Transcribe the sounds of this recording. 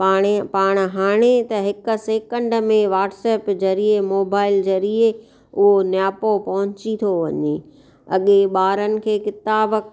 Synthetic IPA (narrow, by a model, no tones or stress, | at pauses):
paːɽ̃paːɽ̃̆ɦaːɽ̃et̪ɐɦɪk̆seːkə̃ɳɖmẽʋaːʈsɛːpd͡ʑɐɾiemoːbaːɪld͡ʑɐɾie | ʊɦonjaːpopɐɦʊ̃ɲt͡ɕit̪ʰoʋɐ̰ɲeː | ɐ̰ɠeɓaːɾənɪ̆kʰeːkɪt̪aːb